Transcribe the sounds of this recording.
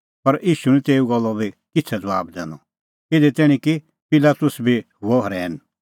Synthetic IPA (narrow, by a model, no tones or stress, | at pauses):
pɐɾʔiːʃunĩt̪eːuɡɔlːɔbʱikɪt͡sʰɛd͡zɐʋaːbd̪ɛ̰̃ːnɔ | ɪd̪ɛt̪ɛːɽ̃ĩki | pɪlaːt̪ʊsbʱiɦʊɔɦɔɾɛːn